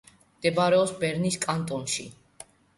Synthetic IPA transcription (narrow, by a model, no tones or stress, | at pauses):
md̪̥ɛbaɾɛɔsbɛɾniskʼant̪ʼɔnʃi